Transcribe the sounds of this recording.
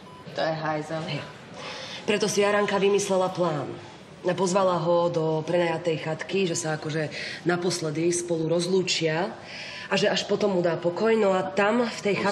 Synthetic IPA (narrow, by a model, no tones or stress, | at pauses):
t̪ɔjɛɦajzɔɦɛ | pɾɛt̪ɔsijaɾaŋkaʋimislɛlaplaːn | apɔzʋalaɦɔd̪ɔpɾɛnajat̪ɛjxat̪kiʒɛsaakɔʒɛnapɔslɛd̪ispɔluɾɔzluːt͡ʃɪa | aʒɛaʃpɔt̪ɔmːud̪aːpɔkɔjnɔat̪amft̪ɛjxa